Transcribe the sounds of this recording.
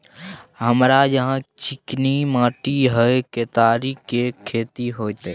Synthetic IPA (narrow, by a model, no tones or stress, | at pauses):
ɦəmɾajəɦãt͡ʃɪknimãːʈiɦəket̪aːɾikekʰːeːt̪iɦoːjt̪e